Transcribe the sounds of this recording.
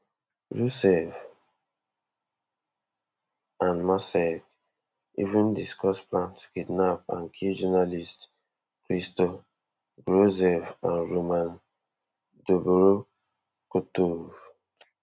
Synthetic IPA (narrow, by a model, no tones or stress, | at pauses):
ɹusɛf | ãnmasɛk | ḭvũndiskɔsplãntkidnap̚ã̰nkʰid͡ʒɔnalist | kɹistɔ | ɡɹozɛvãnɹomãn | doboɾo | kotov